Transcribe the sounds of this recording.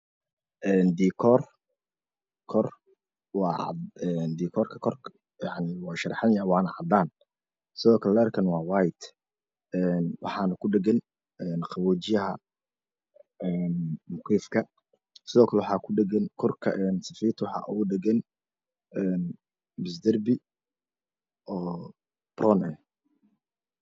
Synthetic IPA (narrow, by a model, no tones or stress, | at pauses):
ʔɛːnd̪iːkʰɔr | kʰɔr | wɑ̰ːɛnd̪iːkʰɔːrkʰɐkʰɔr | jɑʕniwɑːʃɐɾħɑnjwɑːnɐʕɑd̪aːn | sɪðɔːkʰɐlɛlɛɛrkʰɐnwɑːwajt̪ | ɛːnwʔɑ̰ħɑːnɐkʰʊɖɛɡɛn | ɛːnqɑβut͡ʃɪjɐɦɐ | ɛːnmʊqʰiːfkʰɐ | sɪðɔːkʰɐlɛwħɑːkʰʊɖɛɡɛnkʰɔrkʰɐ̰ʔɛnsɐfiːrt̪ʰwɑħɑ̰ːʔuʊɖɛɡɛn | ɛːn | bɪs̬d̪ɐrbɪ | ʔɔː | b̥rɔːnɛn